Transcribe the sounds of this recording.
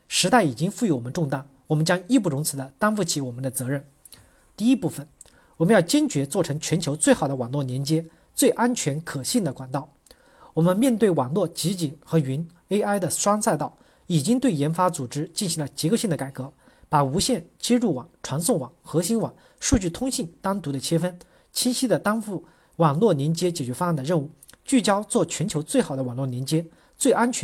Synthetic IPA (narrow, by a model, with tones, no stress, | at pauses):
ʂɻ̩˧˥t̪a˥˩ɪi˨˩t͡ɕi˥ŋfu˥˩y˧˥wɔ˨˩mə˦nʈ͡ʂʊ˥˧ŋt̪a˥˩ | wɔ˨˩mə˦nt͡ɕjɑ˥ŋi˥˧p̬u˥˩ɻʊ˧˥ŋt͡sʰɹ̩˨˩d̪ə˧t̪a˥nfu˥˩t͡ɕʰi˧˥wɔ˨˩mə˦nd̪ə˧t͡sɤ˧˥ɻə˥˩n | t̪i˥˧i˧˥pu˥˩fə˩n | wɔ˨˩mə˦njɑ˥˩ʊt͡ɕjɛ˥nt͡ɕɥɛ˧˥t͡swɔ˥˩ʈ͡ʂʰɤ˧˥ŋt͡ɕʰɥɛ˧˥nt͡ɕʰjo˧˥ʊt͡swe˥˩ɪxɑ˨˩ʊd̪ə˦wɑ˨˩ŋlwɔ˥˩njɛ˧˥nt͡ɕjɛ˥ | t͡swe˥˩ɪʔa˥nt͡ɕʰɥɛ˧˥nkʰɤ˨˩ɕi˥˩d̪ə˩kwa˨˩nt̪ɑ˥˩ʊ | wɔ˨˩mə˦nmjɛ˥˧nt̪we˥˩ɪwɑ˨˩ŋlwɔ˥˩t͡ɕi˧˥t͡ɕi˨˩nxɤ˧˥y˧˥n | e˥ɪʔa˥ɪd̪ə˨ʂwɑ˥ŋsa˥˧ɪt̪ɑ˥˩ʊ | i˨˩t͡ɕi˥ŋt̪we˥˩ɪjɛ˧˥nfa˥t͡su˨˩ʈ͡ʂɻ̩˥t͡ɕi˥˩nɕi˧˥ŋlə˧t͡ɕɛ˧˥ko˥˧ɕi˥˩d̪ə˩ka˨˩ɪkɤ˧˥ | pa˨˩u˧˥ɕjɛ˥˩nt͡ɕjɛ˥ʈ͡ʂu˥˩wɑ̰˨˩ŋʈ͡ʂʰwa˧˥nsʊ˥˩ŋwɑ̰˨˩˦ŋxɤ˧˥ɕi˥nwɑ˨˩ŋ | ʂu˥˧t͡ɕy˥˩t̪ʰʊ˥ŋɕi˥˩ŋt̪ɑ˥ŋt̪u˧˥d̪ə˨t͡ɕʰjɛ˥fə˥n | t͡ɕʰi˥nɕi˥d̪ə˨t̪ɑ˥ŋfu˥˩ | wɑ˨˩ŋlwɔ˥˩njɛ˧˥nt͡ɕjɛ˥t͡ɕjɛ˨˩t͡ɕɥɛ˧˥fa˥˩nd̪ə˩ɻə˥˧nu˥˩ | t͡ɕy˥˩t͡ɕjɑ˥ʊt͡swɔ˥˩t͡ɕʰɥɛ˧˥nt͡ɕʰjo˧˥ʊt͡swe˥˩ɪxɑ˨˩d̪ə˦wɑ˨˩ŋlwɔ˥˩njɛ˧˥nt͡ɕjɛ˥ | t͡swe˥˩ɪʔa˥nt͡ɕʰ